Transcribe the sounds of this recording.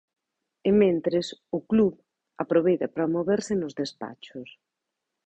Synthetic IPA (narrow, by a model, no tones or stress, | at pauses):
emẽnt̪ɾɪsʊkluβ | apɾoβejt̪ɐpɾamoβeɾsɪnʊzðespa̰t͡ʃʊs